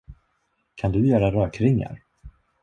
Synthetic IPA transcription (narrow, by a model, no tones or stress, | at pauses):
kʰand̪ɵjœːɾaɾœːkʰɾɪŋːa̰ɾ